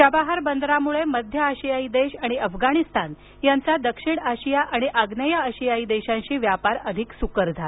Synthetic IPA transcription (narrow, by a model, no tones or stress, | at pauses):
t͡ɕəbaɦaɾbənd̪ʱɾamuɭeməd̪ʱjəːɕijaid̪eɕaɽ̃iəfɡaɽ̃ist̪an | jant͡sad̪əkʂiɽaɕijaʔaɽ̃iʔaɡnəjaəɕijaid̪eɕãɲɕiːʋjapaɾəd̪ʱiksukəɾd͡zʱa